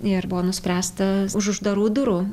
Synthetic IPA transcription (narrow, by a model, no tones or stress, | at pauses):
ɪrbʊʋoːnʊsʲpʲɾʲæːst̪ɐʊʃʊʒd̪ɐɾuːd̪ʊɾuː